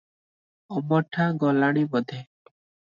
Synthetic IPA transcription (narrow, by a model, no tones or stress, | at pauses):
ɔmɔʈʰãːɡɔlaɽ̃imɔd̪ʱe